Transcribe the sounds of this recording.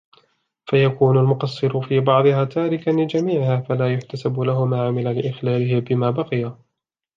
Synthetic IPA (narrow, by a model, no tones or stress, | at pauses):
fajakuːnalmʊqɑsˤːɨɾʊfiːbɑʕd̪ˤɨhaːt̪aːɾɪkanlɪd͡ʒamiːʕɪhaːfalaːjʊħt̪asablahʊmaːʕamɪlalɪʔɪxlaːlɪɦɪbɪmaːbɑqɨja